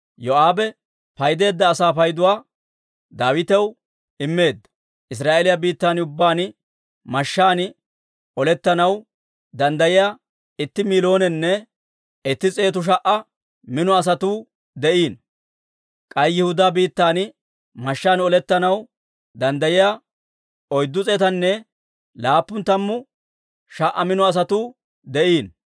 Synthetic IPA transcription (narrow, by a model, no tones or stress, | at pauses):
jɔaːbɛ | pɐjd̪e̞ːd̪ːɐːsaːfɐjd̪ʊwaː | d̪aːwɪt̪ɛw | ɪmːe̞ːd̪ːɐ̥ | ʔɪs̬ɾaːʔelɪjɐbiːt̪ːaːnʊbːaːn | mɐʃːaːnɪ | ɔlɛt̪ːɐnɐw | d̪ɐnd̪ɐjɪja | ɪt̪ːɪmiːlo̞ːnɛnːɛ | ɪt̪ːɪt͡sʼe̞ːt̪ʊʃ̬ɐʔɐ | mɪnɔɐs̬ɐt̪uː | d̪ɛʔiːn | kʼɐjjɪhʊd̪aːbiːt̪ːaːn | mɐʃːaːnɔlɛt̪ːɐnɐw | d̪ɐnd̪ɐjɪja | ɔjd̪ːʊt͡sʼeːt̪ɐnːɛ | laːpːʊnt̪ːɐmːʊ | ʃɐʔːɐmɪnɔɐs̬ɐt̪uː | d̪ɛʔiːn